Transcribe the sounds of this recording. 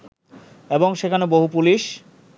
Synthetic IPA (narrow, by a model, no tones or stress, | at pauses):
eboŋʃekʰanoboɦupuliʃ